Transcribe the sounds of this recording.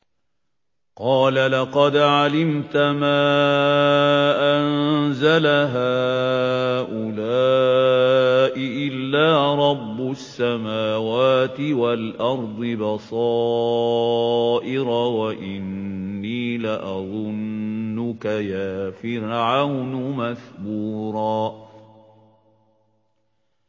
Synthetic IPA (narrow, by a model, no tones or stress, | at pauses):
qɑːlalɑqɑd̪ʕalɪmt̪amaː | ʔanzalaɦaː | ʔʊlaː | ʔɪʔɪlːaːɾˤɑbːʊsːamaːwaːt̪ɪwalʔɑɾˤd̪ˤɨbɑsˤɑː | ʔɪɾawaʔɪnːiːlaʔɑðˤʊnːʊkajaːfɪɾʕawnʊmaθbuːɾˤɑː